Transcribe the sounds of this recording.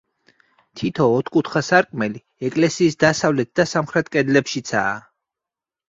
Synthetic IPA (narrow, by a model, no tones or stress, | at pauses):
t̪ʰit̪ʰɔːt̪ʰkʼut̪ʰχasaɾkʼmɛli | ɛkʼlɛsiːsd̪asavlɛt̪̚d̪asamχɾɛt̪ʰkʼɛd̪lɛpʃit̪sʰa̰ː